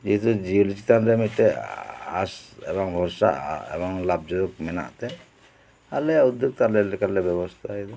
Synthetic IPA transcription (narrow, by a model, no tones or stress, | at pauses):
d͡ʒiɦit̪ud͡ʒiulit͡ʃi̥t̪anɾɛmic̚t̪ɛa̰sɛ̰bɔŋbʱɔɾsa̰ʔḛbɔŋlab̚d͡ʒɔd̪ɔk̚mɛna̰ʔt̪ɛ | alɛjaud̪joɡ̚t̪aɾlɛlɛkaɾlɛbɛbɔst̪ʰaid̪ɔ